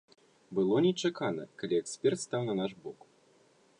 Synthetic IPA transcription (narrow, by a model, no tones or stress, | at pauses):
bɨlˠɔnʲɛt͡ʂakanɐ̰kalʲiɛksʲpʲɛrt̪st̪awnɐnaʂbɔk